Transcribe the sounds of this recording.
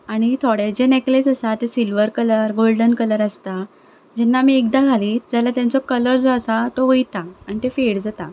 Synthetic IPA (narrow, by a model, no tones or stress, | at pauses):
aɽ̃it̪ʰoɽed͡ʑeneklesəsat̪esilʋəɾkələɾɡolɖənkələɾəst̪a | d͡ʑɛnːamiːek̚d̪aɡʱaliːt̪d͡zalat̪jãnt͡sɔkələɾd͡zɔəsat̪ɔʋəjt̪aːɽ̃it̪efeɽd͡zat̪a